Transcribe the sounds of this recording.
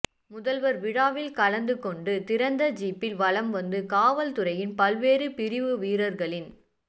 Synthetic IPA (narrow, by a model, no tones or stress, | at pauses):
mʊðɐlʋɐɾʋɪɽaːʋɪlkɐɭɐnd̪ɯkːɔɳɖɯt̪ɪɾɐnd̪ɐd͡ʒiːpːɪlʋɐɭɐmʋɐnd̪ɯkaːʋɐlt̪ɯɾɐjɪnpɐlʋeːɾɯpɪɾɪʋɯʋiːɾɐɾɣɐɭɪn